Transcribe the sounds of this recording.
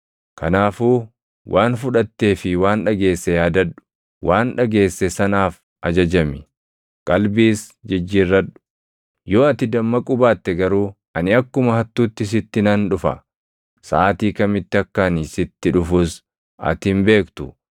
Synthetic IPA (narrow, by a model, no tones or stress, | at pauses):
kɐnaːfuː | wʔaːnfʊᶑɐt̪ːe̞ːfɪwaːnᶑɐɡe̞ːsːɛjaːd̪ɐᶑʊ̥ | wʔaːnᶑɐɡe̞ːsːɛsɐnaːf | ʔɐd͡ʒɐd͡ʒɐmɪ | kʼɐlbiːsd͡ʒɪd͡ʒːiːrːɐᶑʊ̥ | jo̞ːɐt̪ɪd̪ɐmːɐkʼʊbaːt̪ːɛɡɐɾuːʔɐnɪɐkːʊmɐhɐt̪ːuːt̪ːɪs̬ɪt̪ːɪnɐnᶑʊfɐ̰ | sa̰ːt̪iːkɐmɪt̪ːɪɐkːɐnisɪt̪ːɪᶑʊfʊs | ɐ̰t̪ɪmbe̞ːkt̪ʊ